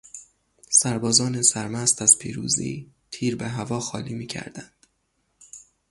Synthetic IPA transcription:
sæɾbɒːzɒːnesæɾmæst̪æz̥pʰḭːɾṵːzḭːt̪ʰiːɾbeɦævɒːxɒ̰ːliːmiːcʰæ̰ɾd̪ænd̪̥

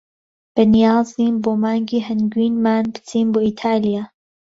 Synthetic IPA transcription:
b̥ɛnijaːziːnboːmaːŋɡiːɦɛnɡwiːnmaːnpɨ̥t͡sʰiːnboːit̪ʰaːlijaː

